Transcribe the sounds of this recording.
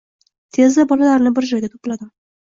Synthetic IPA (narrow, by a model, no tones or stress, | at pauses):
t̪ʰe̞zlabɒlalaɾnɪbɪɾd͡ʒɒjɡʲat̪ʰo̥pɪlad̪ɪm